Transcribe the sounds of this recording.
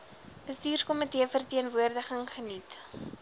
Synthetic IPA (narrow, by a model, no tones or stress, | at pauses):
b̥əstiːrskoməteəfərtiənvuərdəχəŋχənit